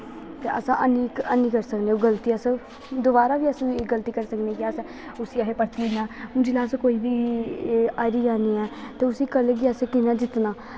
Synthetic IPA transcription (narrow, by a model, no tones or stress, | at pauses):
t̪eːʔə̰sãʔəniːkəniːkəɾsəkneːoɡəlt̪iːəsa | d̪oːbaːɾaːʋiːəsĩɡəlt̪iːkəɾsəkneːkɪas | ʊsiːaɦeːpəɾt̪iːnaːʊ̃ːd͡ʒɪlaːskoːiːbiː | aːɾiːd͡ʒaːniːɛːt̪eːʊsiːkəleːɡiəsẽkɪnaːd͡ʒɪt̪naː